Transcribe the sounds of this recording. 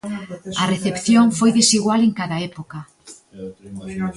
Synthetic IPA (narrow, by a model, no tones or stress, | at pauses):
ɐreθepθjoŋfojðesiɣwaleŋkaðaɛpokɐ